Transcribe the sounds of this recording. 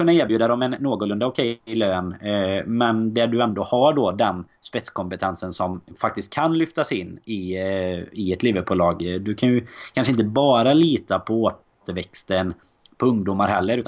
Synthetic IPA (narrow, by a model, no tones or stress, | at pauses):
ɵnːaeːɾbjʉːd̪ad̪ɔmɛnːoːɡʊlɵnd̪aʊkʰɛjɪløːnmɛnd̪æɖɵɛnd̪oːhaɖɔd̪ɛn | spɛt̪skʰɔmpət̪ʰɛnsənsɔmfak̚t̪ɪst̪̚kʰːanlʏft̪asɪnːɪ | ɪɛt̪liːvəbʊːlɑːɡd̪ɵkʰanjɵkʰanʂəɪnt̪əbɑːɾaliːt̪apʰɔoːt̪ | əɾvɛkst̪ən | pʰɔɵŋd̪uːmaɾɦɛlːəɾʉ̟ːt̪